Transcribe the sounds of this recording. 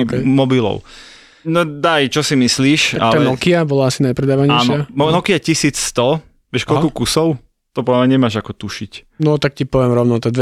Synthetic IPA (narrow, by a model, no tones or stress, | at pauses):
mɔbilɔ̰ʊ | nɔd̪ajt͡ʃɔsimisliːʃaalɛnɔkiabɔlaasinajpɾɛd̪aːʋaɲɛanʃɪaɔnɔkiacisiːt͡sst̪ɔ | ʋɛʃkɔlkukusɔʊ | t̪ɔpɔdlamɲɛɲɛmaːʒakɔt̪uʃic | nɔt̪ak̚cipɔʋɛmɾɔʊnɔt̪ɛd̪ʋɛ